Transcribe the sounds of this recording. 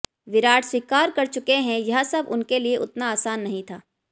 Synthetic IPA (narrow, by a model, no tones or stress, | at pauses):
ʋɪɾaːʈʰswɪkaːɾkɐɾt͡ʃʊkeɦɛ̃jɐɦsɐbʊ̰nkelieʔʊ̰t̪naːsaːnːɐɦĩt̪ʰaː